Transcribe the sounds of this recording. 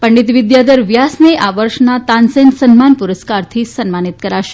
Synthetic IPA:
pəɳɖit̪ʋid̪jad̪əɾʋjasneʔaʋəɾʂnat̪ansensənmanpuɾəskaɾt̪ʰiːsənmanit̪kəɾaɕe̥

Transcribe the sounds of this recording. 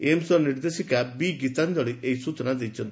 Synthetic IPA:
emsɔɾniɾd̪esikabiɡit̪and̪ɔɭiʔeisut͡ʃɔnad̪ejt͡ʃʰɔnt̪

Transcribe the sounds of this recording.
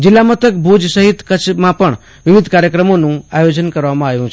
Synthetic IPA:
d͡ʒɪlːamət̪ʰək̚bʱud͡ʒsəɦit̪kət͡ʃʰmãpəɳ | ʋɪʋɪd̪ʱkaɾjəkɾəmonũajod͡ʒənkəɾʋamãajũt͡ʃʰ

